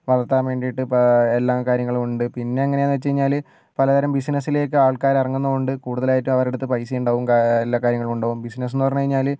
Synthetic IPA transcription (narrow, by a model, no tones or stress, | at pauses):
ʋɐðɐt̪ːaːmʋe̞ːɳɖijiʈːɨpelːaːkaːɾjɐŋːɐɭumuɳɖɨpinːe̞ɐŋːɐneaːnɨʋet͡ɕːt͡ɕɐɾiɲːaːlɨ | pɐlɐd̪ɐɾɐmbisinɐsːile̞ːk̬ːɨaːɭkaːɾirɐŋːunːɐoɳɖɨkuːɽuðɐlaːjitːumɐʋɐɾeɽut̪ːɨpɐjsiɐjuɳɖoːʋumkaelːaːkaːɾjɐŋːɐɭmuɳɖoːʋumbisnɐs̬enːɨpɐrɐɲːukɐɻiɲːaːl